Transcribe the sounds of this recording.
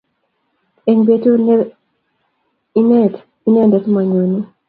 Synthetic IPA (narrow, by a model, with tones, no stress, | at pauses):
e˨ŋbe˦tu˦ | i˦nɛ˦˨t | i˦nɛ˦ndɛ˦tma˨ɲwo˨ni˦